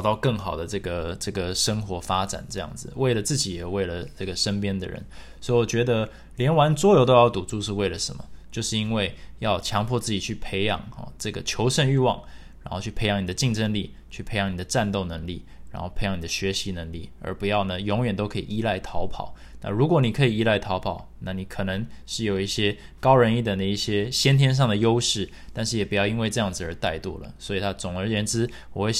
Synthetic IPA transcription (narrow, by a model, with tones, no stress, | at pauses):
ɑ˨˩ʊt̪ɑ˥˧ʊkɤ˥˩ŋxɑ˨˩ʊd̪ə˦ʈ͡ʂɤ˥˩ɡə˩ʈ͡ʂɤ˥˩ɡə˩ʂə˥ŋxwɔ˧˥fa˥ʈ͡ʂa̰˨˩nʈ͡ʂɤ˥˧jɑ̰˥˩ŋd͡zɹ̩˩we˥˩ɪlə˩t͡sɹ̩˥˩t͡ɕi˨˥jɛ˨˩we˥˩ɪlə˩ʈ͡ʂɤ˥˩ɡə˩ʂə˥npjɛ˥nd̪ə̰˨ɻə̰˧˦n | sɔ˧˥i˨wɔ˨˩t͡ɕɥɛ˧˥d̪ə˧ | ljɛ˧˥nwa˧˥nt͡swɔ˥jo˧˥ʊt̪̬o˥ʊjɑ˥˩ʊt̪u˨˩t͡su˥˧ʂɻ̩˥˧we˥˩ɪlə˩ʂə˧˦mə̰˦t͡ɕjo˥˧ʊʂɻ̩˥˩i˥nwe˥˩ɪjɑ˥˧ʊt͡ɕʰjɑ˧˥ŋpʰwɔ˥˧t͡sɹ̩˥˩t͡ɕi˨˩t͡ɕʰy˥˩pʰe˧˥ɪjɑ̰˨˩˦ŋɑ̰˨˩ʈ͡ʂɤ˥˩ɡə̰˩t͡ɕʰjo˧˥ʊʂə˥˧ny˥˧wɑ̰˥˩ŋ | ɻa˧˥nxt͡ɕʰy˥pʰe˧˥ɪjɑ˧˩ŋni˨˩d̪ə˦t͡ɕi˥˩ŋʈ͡ʂə˥nli˥˩ | t͡ɕʰy˥˩pʰe˧˥ɪjɑ˧˦ŋni˨˩d̪ə˦ʈ͡ʂa˥˧nt̪o˥˩ʊnə˧˥ŋlḭ˥˩ɻa˧˥nxo˥˩ʊpʰe˧˥ɪjɑ˧˥ŋni˨˩d̪ə˦ɕɥɛ˧˥ɕi˧˥nə˧˥ŋlḭ˥˩ə̰˞˧˥pu˧˥jɑ˥˩ʊnə˩jʊ˧˥ŋɥɛ˨˩nt̪o˥ʊkʰɤ˧˥ḭ˨ʔi˦˥la˥˩ɪt̪ʰɑ˧˥ʊpʰɑ̰˨˩˦ʊ | na̰˥˨ɻu˧˥kwɔ˧˥˦ni˨˩kʰɤ˧˥i˨˩i˦˥la˥˩ɪt̪ʰɑ˧˥ʊpʰɑ˨˩˦ʊna˥˩ni˧˥kʰɤ˨˩nə˧˦ŋʂɻ̩˥˩jo˨˩ʊi˥˩ɕjɛ˥ | kɑ˥ʊɻə˧˥ni˥˩d̪ə˩nə˧i˥˩ɕjɛ˥ɕjɛ˥nt̪ʰjɛ˥nʂ̬ɑ˥˩ŋd̪ə˩jo˥ʊʂɻ̩˥˩ | t̪a˥˧nʂ̬ɻ̩˥˩jɛ˨˩pu˧˥jɑ˥˩ʊi˥nŋwe˥˧ɪʈ͡ʂɤ˥˧jɑ˥˩ŋd͡zɹ̩˩ə˞˧˥t̪a˥˧ɪt̪wɔ̰˥˩lə̰˩swɔ˧˥i˨˩t̪ʰa˦˥t͡sʊ˨˩ŋə˞˧˥jɛ˧˥nʈ͡ʂɻ̩˥ | wɔ˨˩xwe˥˩